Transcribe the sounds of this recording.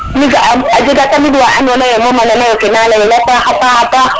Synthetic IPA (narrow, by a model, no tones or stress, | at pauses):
miɡaad͡ʒiɡatamiduaanɔnajɛmɔmananajokɛnalajɛlakahapahapa